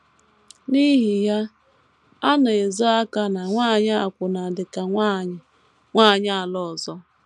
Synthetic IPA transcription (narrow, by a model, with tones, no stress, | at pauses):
ni˦ɦi˨ja˦ | a˦na˨e˨zɔ˦a˦ka˦na˨ŋʷaː˦˨ɲɪ˦a˨kʷʊ˨na˨dɪ˨ka˨ŋʷa˦˨ɲɪ˨ | ŋʷa˦˨ɲɪ˦a˨lɔ˦˨zɔ˦